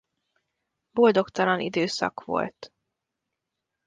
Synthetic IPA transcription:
bo̞ld̪o̞kt̪ɒlɒnʔḭd̪øːsɒ̰kʋo̞̰lt̪

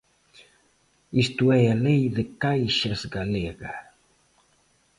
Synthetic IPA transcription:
ist̪uɛalejðɪkajʃɐzɡaleɣɐ

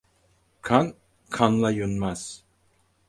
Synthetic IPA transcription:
kʰan | kʰanlˠajunmaz̥

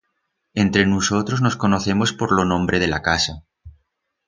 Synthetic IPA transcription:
e̞nt̪ɾe̞nuso̞t̪ɾozno̞sko̞no̞θe̞mo̞spo̞ɾlonõ̞mbɾe̞ð̞e̞la̰kasa

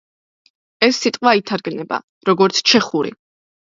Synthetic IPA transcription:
ɛsːit̪ʼqʼwait̪ʰaɾɡnɛba̰ | ɾɔɡɔɾt̪sʰt͡ʃʰɛχuɾḭ

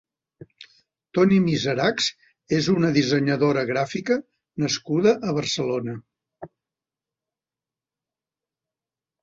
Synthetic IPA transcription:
t̪ɔnimizəɾakz | ezunəðizəɲəðoɾəɣɾafikə | nəskuðəʔəβərsəlonə

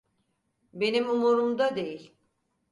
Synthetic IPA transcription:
be̞nimumuɾumd̪ad̪e̞jilʲ

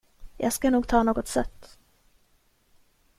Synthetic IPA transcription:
jʔɑ̰ːɡskanuːɡ̚t̪ʰɑːnoːɡɔt̪sɛt̪ː

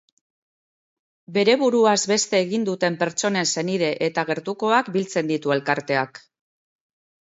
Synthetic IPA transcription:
be̞ɾe̞βuɾuazbe̞st̪e̞ːɣind̪ut̪e̞mpe̞ɾt͡ʃo̞ne̞nse̞niðe̞ʔet̪aɣ̞e̞ɾt̪uko̞akbilt͡se̞nd̪it̪ue̞lkaɾt̪e̞ak

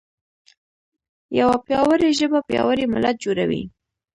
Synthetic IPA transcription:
jawapjɑwəɾeʒəbapjɑ̰waɾemʊlat̪̚d͡ʒoɾawḭ

